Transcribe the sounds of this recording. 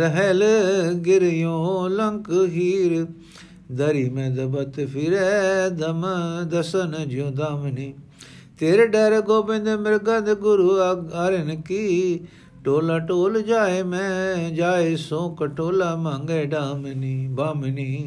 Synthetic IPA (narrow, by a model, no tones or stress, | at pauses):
ɾəɦɛlɡɪɾjõːləŋkɦiːɾ | d̪əɾiːmɛ̃ːd̪ɐbət̪pʰɪɾɛd̪əmd̪ɐsənd͡ʒjõːd̪aːmniː | t̪eːɾeːɖɛːɾeɡoːbẽːnd̪emɪɾɡaːd̪eɡʊɾuaɾenki | ʈoːlaːʈoːld͡ʒaːemɛ̃d͡ʒaːesõːkəʈoːlaːmãːŋɡɛːɖaːmnibaːmniː